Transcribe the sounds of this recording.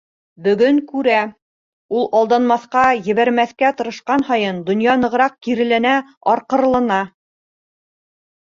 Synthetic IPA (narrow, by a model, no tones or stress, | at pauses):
bɵ̆ɡɵŋkʉɾæ | ulˠɑlˠd̪ɑnmɑθqɑjɘ̆βæɾmæθkæt̪ɤ̆ɾɤ̆ʃqɑnhɑjɤnd̪ŏnjɑnɤ̆ʁɾɑq̚kiɾɘ̆lænæɑɾqɤ̆ɾlˠɤ̆nɑ